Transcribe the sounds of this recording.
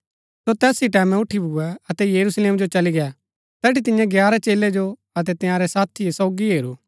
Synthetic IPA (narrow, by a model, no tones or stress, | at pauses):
sot̪ɛːsiʈɛːmɛ̃ʊʈʰibʱʊɛɐt̪ɛjɐɾusleːmd͡ʒot͡ʃɐliɡɛa | t̪ɛːʈit̪ɪ̃jãɡjaːɾɛt͡ʃeːlɛd͡ʒo | ɐt̪ɛt̪ɪ̃jãːɾɛsaːt̪ʰiesɔːɡiɦeːɾuː